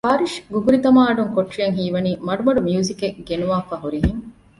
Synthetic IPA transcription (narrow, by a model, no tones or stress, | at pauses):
paːɾiʃɡuɡuɾit̪ɐmaːɐɖuŋkoʈrijɐŋɦiːʋɐniːmɐɖumɐɖumijuːzikeɡenuʋaːfaɦuɾiɦiŋ